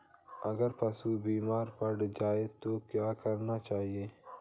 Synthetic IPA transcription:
ɐɡəɾpɐsubiːmaːɾpɐɽd͡ʒaːet̪okjaːkɐɾnat͡ʃaːɦieː

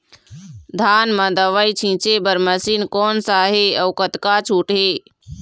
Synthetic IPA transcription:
d̪ʱaːnmə̃d̪əʋəit͡ʃʰĩt͡ʃebəɾməsiːnkɔːnsaːɦeəwkət̪kat͡ʃʰuːʈɦe

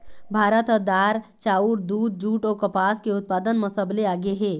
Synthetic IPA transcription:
bʱaːɾət̪əd̪aːɾt͡ʃaːuɾd̪uːd̪̚d͡ʒuːʈɔːkəpaːskeʊt̪̚paːd̪ənməsəbleaːɡeɦẽː

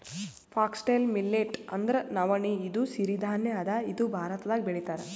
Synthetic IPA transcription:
pʰaːksʈejlmilːeʈɐnd̪ɐɾenɐʋɐɳiːd̪usiɾid̪ʱaːnjeɐd̪ɐid̪ubʱaːɾɐt̪ɐd̪aːɡibeɽit̪aːɾɐ

